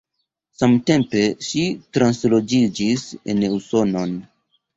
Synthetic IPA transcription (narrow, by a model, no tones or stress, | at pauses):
samte̞mpe̞ʃitɾanslo̞d͡ʒid͡ʒisḛnuso̞no̞n